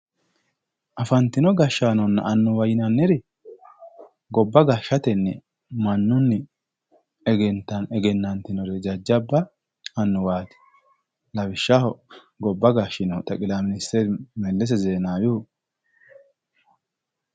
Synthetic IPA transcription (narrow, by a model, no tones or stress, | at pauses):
ʔɐfɐnt̪ɪnɔɡɐʃːaːnɔnːɐ̰ʔɐnːʊwɐjɪnɐnːɛɾɛ | ɡɔbːɐɡɐʃːɐt̪ɛnːɛ | mɐnːʊnːɪ | ɛɡɛnt̪ːɐnɛɡɛnːɐnt̪ɪnɔɾɛd͡ʒɐd͡ʒːɐbːɐ | ɐnːʊwaːt̪ɪ̥ | lɐbɪʃːahɔ | ɡɔbːɐɡaʃɪnɔt̪ɐkʼɪlamɪnɪst̪ɛɾmɛlːɛs̬ɛzeːnaːjuː